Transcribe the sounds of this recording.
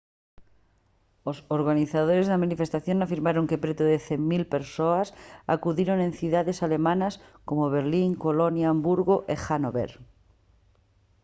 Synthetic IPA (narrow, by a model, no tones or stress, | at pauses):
osoɾɣaniθað̞oɾezðamanife̞st̪aθjonafiɾmaɾoŋkepɾet̪oðeθemmilpeɾsoasa̰kuðiɾonẽ̞nθuðaðe̞sale̞mãnasko̞moβ̞eɾliŋkolonjaːmbuɾɣoʔexanoβḛɾ